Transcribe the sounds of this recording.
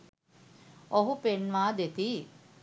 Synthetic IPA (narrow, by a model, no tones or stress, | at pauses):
oɦupenʋaːd̪et̪iː